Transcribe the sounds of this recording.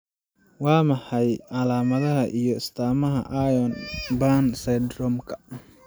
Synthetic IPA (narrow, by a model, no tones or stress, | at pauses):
wɑːmɐħɑjʕɑlaːmɐðɐɦɐʔijɔɪst̪ʰaːmɐɦɐʔajɔnbansɐjd̪rɔmkʰɐ̥